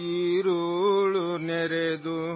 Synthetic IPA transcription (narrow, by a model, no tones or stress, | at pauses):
iɾuɭuneɾed̪u